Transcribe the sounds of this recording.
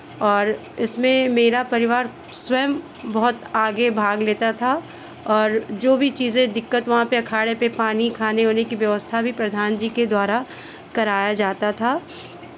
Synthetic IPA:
ɔːɾ | ɪsmẽmeːɾapɐɾɪʋaːɾ | swɐjəm | bɐɦʊt̪aːɡebʱaːɡleːt̪at̪ʰa | ɔːɾd͡ʒoːbʱit͡ʃiːzẽd̪ɪkːət̪ʋɐɦãpeɐkʰaːɽepepaːnikʰaːneɦoːnekiʋjɐʋəst̪ʰabʱipɾɐd̪ʱaːnd͡ʒiːked̪waːɾa | kɐɾaːjad͡ʒaːt̪at̪ʰaː

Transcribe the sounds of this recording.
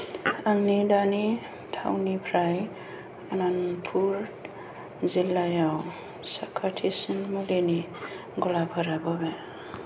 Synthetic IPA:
anːidani | tʰa̰wnipʰɾaj | ananpʰuɾ | zilːajaw | sakʰatʰisinmuleni | ɡɔlapʰaɾabɔbe

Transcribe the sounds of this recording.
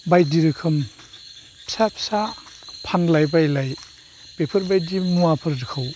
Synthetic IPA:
bajdiɾɯkʰɯm | sapʰsapʰanlajbajlaj | pepʰɯɾbajdimuapʰɐɾɾɯkʰaw

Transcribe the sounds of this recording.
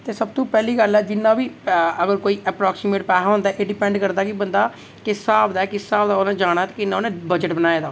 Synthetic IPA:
t̪eːsəbt̪õːpɛːliːɡəlɛːd͡ʒɪnːãːʋiːəɡəɾkoːiːʔɛːpɾaːksiːmeːʈpɛːɦaɦõnd̪aːʔeːɖɪpɛ̃ːɳɖkəɾd̪aːkɪbənd̪aː | kɪsaːbd̪aːɛkɪsːaːbd̪aːonãːd͡ʒaːɽ̃aːt̪eːkɪnːãonẽːbəd͡ʒəʈbənaːeːd̪aː

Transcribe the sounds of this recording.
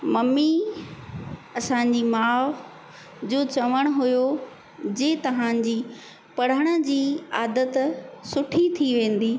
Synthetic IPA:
mɐmi | ɐsãɲd͡ʑiːmaː | d͡ʑoːt͡ɕɐʋəɽ̃ʊɦʊjo | d͡ʑeːt̪ɐʋ̤ãd͡ʑiː | pɐɽ̤əɽ̃ʊ̆d͡ʑiːaːd̪ət̪sʊʈʰit̪ʰiʋẽːn̆d̪iː

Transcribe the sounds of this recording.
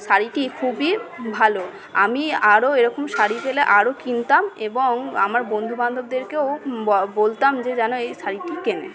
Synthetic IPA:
ʃaɾiʈikʰubibʱalo | a̰miaɾoeɾɔkomʃaɾifeleʔaɾokint̪ameboŋa̰maɾbond̪ʱuband̪ʱob̚d̪eɾkeowbolt̪amd͡ʑed͡ʑɛnoejʃaɾiʈikenḛ

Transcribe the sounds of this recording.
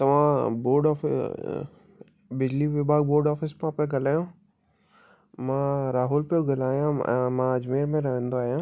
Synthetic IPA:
t̪ɐʋ̤ãboːɾɖɔːfɪ | bɪd͡ʑliʋɪbʱaːɡ̚boːɾɖɔːfɪsmãpeɡɐlaːjõ | mãɾaːɦulpjoɡɐlaːjãɛ̰̃mãɐd͡ʑmeːɾmẽɾɐɦə̃nd̪oaːɦjãː

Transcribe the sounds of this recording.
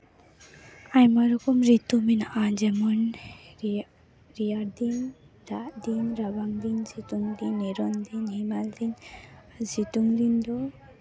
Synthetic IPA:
ajmaɾɔkɔmɾit̪uminaʔad͡ʒɛmɔn | ɾijaɾd̪in | d̪aʔd̪inɾabaŋd̪insit̪uŋd̪inːiɾɔnd̪inhimald̪in | sit̪uŋd̪ind̪ɔ

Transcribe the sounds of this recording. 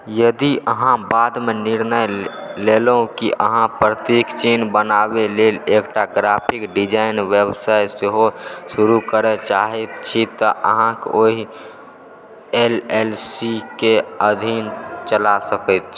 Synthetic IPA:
jəd̪iʔəɦãbad̪menɪɾnəjlelũkiʔə̰ɦãpɾət̪iːkt͡ʃeːnbənabeleːleːkʈaɡɾapʰɪkɖid͡ʒaɪnʋjəbsajseɦoʃuɾukəɾət͡ʃaɦet̪t͡ʃʰit̪ɔʔə̰ɦãkoɦi | elelsikeəd̪ʱint͡ʃəlasəkət̪̚t͡ʃʰ

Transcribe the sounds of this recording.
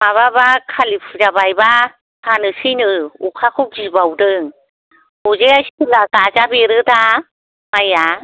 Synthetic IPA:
maβabakʰalipʰɯzabajba | hʰanɯsɯnɯukʰakʰɯd͡ʒibawdɯŋ | uzeajsiɯlaɡazabeɾɯda | maja

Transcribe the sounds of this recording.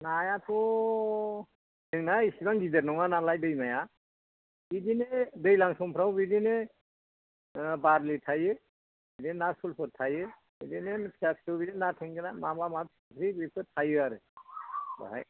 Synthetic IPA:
najapʰɔ | tʰeŋnaisibaŋɡideɾnɔŋanalajdɯjmaja | bidinedɯjlaŋsɔmpʰɾawbidine | baɾlitʰajɯ | bidinasulpʰɯtʰajɯ | bidinepʰiak̚stɯwbidinatʰeŋɡɯnamamamasɯpʰɾibɯpʰɯtʰajɯaɾɯ | ba̰ɦa̰j

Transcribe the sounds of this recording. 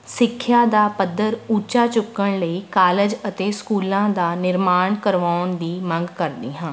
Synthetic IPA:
sɪkʰːjaːd̪aːpəd̪ːəɾuːt͡ʃaːt͡ʃʊkːəɳləiːkaːləd͡ʒət̪eːskuːlãːd̪aːnɪɾmaːɳkəɾʋaːʊnd̪iːmə̃ŋɡkəɾd̪iːɦãː

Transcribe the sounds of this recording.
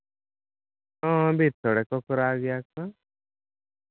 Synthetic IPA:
ãbʱit̪ʰɔɽɛkɔkɾaːɡjakã

